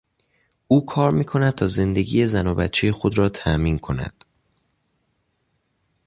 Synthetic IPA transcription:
ʔuːkʰɒːɾmiːkʰo̞næd̪̚t̪ʰɒːze̞nd̪eɡḭːjezænobæ̰t̪t͡ʃʰejexod̪ɾɒːt̪ʰæmiːnkʰo̞næ̰d̪̥

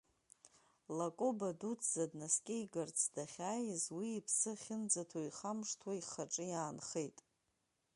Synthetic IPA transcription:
lakʼobadut͡sʰʼzadnaskʲʼɪiɡart͡sʰdaχʲaːjzwiːpʰsɨχʲɪnd͡zatʰoiχamʂtʰwaiχaʈ͡ʂʼɨjaːnχejtʼ

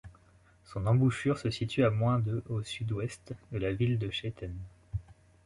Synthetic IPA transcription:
sɔ̃nɑ̃buʃyʁsəsit̪yamwɛ̃d̪øʔosyd̪wɛst̪d̪əlavild̪əʃet̪ʰɛn

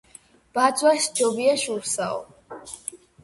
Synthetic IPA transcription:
b̥ad̪zwaʃd͡ʒɔbiaʃuɾsa̰ɔ̰

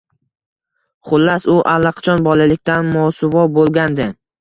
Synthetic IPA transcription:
χʊlːasʊʔalːaqʰɑ̥t͡ʃʰɒnbɒlalɪk̚ʲt̪anmɒwsʊvɒbolˠɡʲand̪ɪ

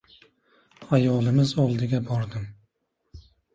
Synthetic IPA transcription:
ajɒlˠɪmɪzɒlˠd̪ɪɡʲabɒɾd̪ɪm

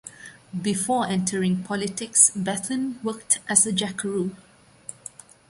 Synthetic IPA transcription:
bifɔɛ̃ntʰəɹɪ̃ŋpʰɔlɪtɪksbɛtʰlə̃nwək̚tʰʔæsəd͡ʒækəɹu

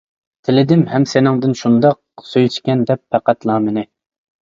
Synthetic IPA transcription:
t̪ʰɪlɪd̪ɪmhɛmsenɪŋd̪ɪnʃund̪ɑq̚ | søjt͡ʃ̪kʲɛnd̪ɛpːæqæt̪lˠɑːmɪnɪ

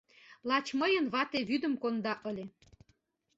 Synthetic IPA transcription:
lɑt͡ɕməjə̆nβɑt̪eβyd̪ə̆mkond̪ɑʔɤlʲe

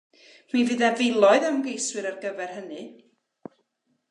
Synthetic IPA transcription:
mivɨðɛvɪlˠɔɨðawmɡejswɨɾarɡəvɛrhənɨ

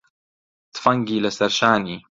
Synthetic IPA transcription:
t̪fɐŋɡiːlɐsɐɾʃaːniː

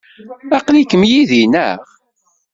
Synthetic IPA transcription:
ɑqlikəmjiðinæ̰ʁ

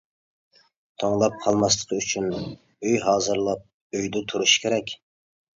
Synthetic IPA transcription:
t̪ʰoŋlˠɑp̚qʰɑlˠmɑslˠə̥qʰəyt͡ʃʰyn | øjɦɑːzɨɾlˠɑp̚ | øjd̪ɪt̪ʰuɾuʃkʲʰeɾɛkʲ

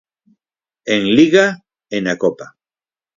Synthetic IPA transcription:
eŋliɣa | enakopa

